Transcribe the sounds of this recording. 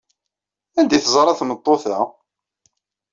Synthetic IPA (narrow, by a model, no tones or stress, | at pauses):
ænd̪iθəzˤɾˤɑθmət̪ˤːoθæ